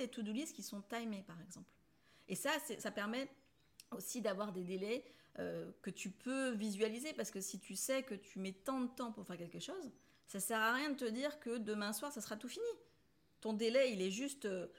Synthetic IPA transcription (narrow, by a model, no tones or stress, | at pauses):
et̪ud̪uliskʲisɔ̃t̪ajmepaʁɛɡzɑ̃pl | esasɛsapɛʁmɛ | osid̪avwaʁd̪ed̪elɛøkət̪ypʰøvizɥalizepaʁsə̥kəsit̪ysɛkət̪ʰymɛt̪ɑ̃d̪ət̪ɑ̃puʁfɛʁkʲɛlkəʃoz | sasɛʁaʁjɛ̃d̪ət̪əd̪iʁkəd̪əmɛ̃swaʁsasəχat̪ufini | t̪ɔ̃d̪elɛilɛʒyst̪ø